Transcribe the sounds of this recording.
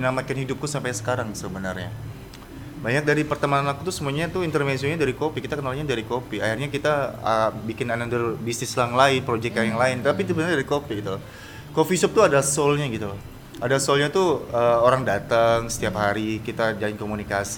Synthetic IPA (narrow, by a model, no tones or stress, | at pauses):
namakɪnhidʊp̚kusampajsə̥kaɾaŋsəbənarɲa | baɲak̚daɾipərt̪əmaanakut̪usəmuaɲat̪uint̪ərvɛnsioɲadaɾikopikit̪akənalaɲadaɾikopiahirɲakit̪aəbikɪnanandərbisnɪslaŋlaɪnpɾod͡ʒɛk̚jaŋjaŋlaɪnt̪apit̪ubənarɲadaɾikopiɡit̪u | kofisɔp̚t̪uadasolɲaɡit̪u | adasɔlɲat̪uəːoɾaŋdat̪əŋsə̥t̪iapɦaɾikit̪ad͡ʒalɪnkomunikas